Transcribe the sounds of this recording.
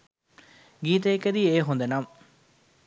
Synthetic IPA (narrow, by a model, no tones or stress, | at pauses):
ɡiːt̪ɐekːed̪ieːɦund̪enam